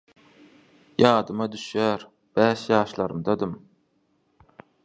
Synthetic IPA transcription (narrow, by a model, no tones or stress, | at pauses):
jɑːd̪ɯmɑd̪yʃjæːɾ | b̥æːʃjɑːʃlˠɑɾɯmd̪ɑd̪ɯm